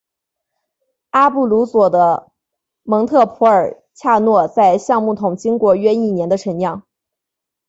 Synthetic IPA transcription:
a˥pu˥˩lu˧˥swɔ˨˩d̪ə˦ | mɤ˧˥ŋt̪ʰɤ˥˩pʰɔ˧˥ə˞˨˩ | t͡ɕʰja˥˧nwɔ˥˧t͡sa˥˧ɪɕjɑ˥˧ŋmu˥˩t̪ʰʊ˨˩ŋt͡ɕi˥ŋkwɔ˧˥ɥɛ˥i˥˩njɛ˧˥nd̪ə˧ʈ͡ʂʰə˧˥njɑ˥˩ŋ

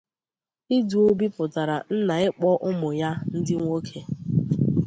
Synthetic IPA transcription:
i˦du˨o˦bi˦pʊ˨ta˨ɾa˨n̩˦na˨ɪ˦k͡pɔ˦ʔʊ˦mʊ˨ja˦n̩˦dɪ˦ŋʷo˦kʰe˨

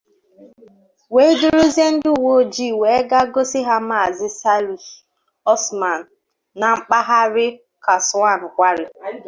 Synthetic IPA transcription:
we˦dʊ˦ɾʊ˦ze˦n̩˦dʊ˦u˦˨wo˦˨d͡ʒi˦˨we˨˦ɡa˦ɡo˦sɪ˦ɦa˦ma˨zɪ˦sa˦ɾi˨ | ɔ˦sma˨n̩ː˨ | a˨ŋ͡m̩˦k͡pa˦ɦa˦ɾɪ˦ | ka˨sʊ˨˦a˦˨n̩˨kʷa˦ɾɪ˦

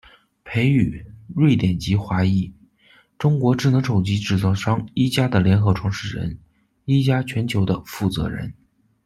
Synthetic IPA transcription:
pʰe˧˥ɪy˨˩ɻwe˥˩ɪt̪jɛ˨˩nt͡ɕi˧˥xwa˧˥i˥˩ | ʈ͡ʂʊ˥ŋkwɔ˧˥ʈ͡ʂɻ̩˥˩nɤ˧˥ŋʂo˨˩ʊt͡ɕi˧˥ʈ͡ʂɻ̩˥˩t͡sɑ˥˩ʊʂɑ˥ŋi˥t͡ɕja˥d̪ə˨ljɛ˧˥nxɤ˧˥ʈ͡ʂʰwɑ˧˥ŋʂɻ̩˥˩ɻə̰˧˥n | i˥t͡ɕja˥t͡ɕʰɥɛ˧˥nt͡ɕʰjo˧˥ʊd̪ə˧fu˥˩t͡sɤ̰˧˥ɻə̰˧˥n

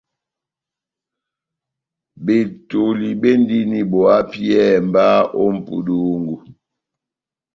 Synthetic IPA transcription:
be˨to˨li˨be˦ndi˦ni˦bɔ˨a˦pi˦ɛ˦˨mba˦ʔo˦m̩˦pṵ˨du˦ŋɡu˨

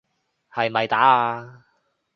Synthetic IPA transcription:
hɐ˨jɐ˨jt̪aː˨˥aː˧

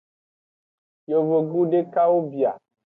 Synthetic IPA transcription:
jo˨vo˨ɡu˦ɖe˦ka˦wo˦bi˨a̰˨

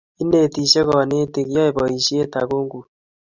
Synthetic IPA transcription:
i˦ne˨ti˨ʃe˦ɣɔ˨ne˦te˨ɣi˨˦ɔ˦e˨bɔ˨i˨ʃi˦e˦ta˨ɣo˦ŋɡu˨

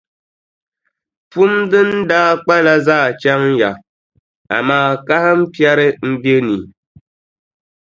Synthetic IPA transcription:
fu˦mdɨ˦n̩˦daː˦k͡pa˦la˦zaː˦˨t͡ʃa˦ŋ̩˦ja˨ | a̰˨maː˦˨ka˦hɨ˦m̩˦pja˦ɾɨ˦m̩˦be˦ni˨

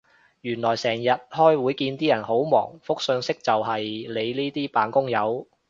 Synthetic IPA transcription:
jyː˨˩nlɔː˨˩jsɛː˨˩ŋjɐ˨t̚hɔː˥jwuː˨˥jkiː˧nt̪iː˥jɐ˨˩nho˨˥wmɔ̰ː˨˩ŋfʊ˥k̚sɵ˧ŋsɪ˥k̚t͡sɐ˨whɐ˨jle˨˧jliː˥t̪iː˥paː˨nkʊ˥ŋjɐ˨˧w

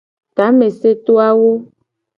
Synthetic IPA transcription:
t̪a˨˦mẽ˨se˦t̪o˦a˦wo˦

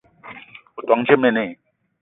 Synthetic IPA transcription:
o˨t̪wa˨˦ŋt͡ɕʰe˥me˥˧˨ne˥˨

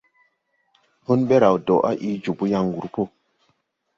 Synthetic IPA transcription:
hu˦nɓe˦ɾa˨wdo˨ʔa̰˦ʔi˦d͡ʒu˨bu˦ja˦ŋ˨ɡu˨ɾpo˦

